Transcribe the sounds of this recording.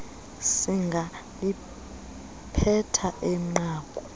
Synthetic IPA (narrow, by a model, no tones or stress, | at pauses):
siŋɡʱa | li | pʰɛtʰaʔɛŋ͡ǃaːkʼɔ